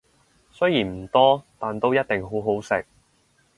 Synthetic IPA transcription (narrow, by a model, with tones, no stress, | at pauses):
sɵ˥jiː˨˩nm̩˨˩t̪ɔː˥t̪aː˨nt̪o˥wjɐ˥t̚t̪ɪ˨ŋɦo˨˥wɦo˨˥wsɪ̰˨k̚